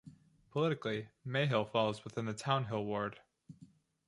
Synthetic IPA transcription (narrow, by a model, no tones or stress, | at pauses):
pʰəlɪɾɨklimeɪɦɪlˠfɔlˠozwəθɪ̃nðɨtʰãʊ̃nɦɪlˠwɔɹd̥